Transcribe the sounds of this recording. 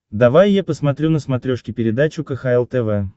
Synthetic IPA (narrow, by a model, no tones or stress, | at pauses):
d̪ɐvajːapəsmɐt̪ɾʲunəsmɐt̪ɾʲoʂkʲɪpʲɪɾʲɪd̪at͡ɕʊkəxaɛlˠt̪ɛvɛ